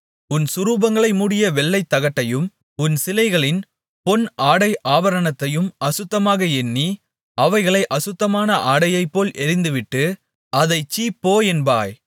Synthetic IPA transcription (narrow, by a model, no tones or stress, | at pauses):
ʊnsʊɾuːbɐŋɡɐɭɐɪmuːɽɪjɐʋɛɭːɐɪt̪ːɐɣɐʈːɐjɯm | ʊnsɪlɐɪɣɐɭɪn | pɔnʔaːɽɐɪʔaːʋɐɾɐɳɐt̪ːɐjɯmɐsʊt̪ːɐmaːɣɐɛnːi | ʔɐʋɐɪɣɐɭɐɪʔɐsʊt̪ːɐmaːnɐʔaːɽɐjɐɪpːoːlʔɛɾɪnd̪ɯʋɪʈːɯ | ʔɐðɐɪt͡ʃːiːpːoːjɛnba̰ːj